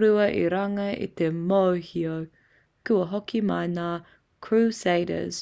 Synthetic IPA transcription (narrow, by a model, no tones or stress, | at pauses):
ɾuɐʔiɾɐŋɐḭt̪emowhio | kuɐɦokimɐjnaː | kʰɹuseɪɾə̰z̥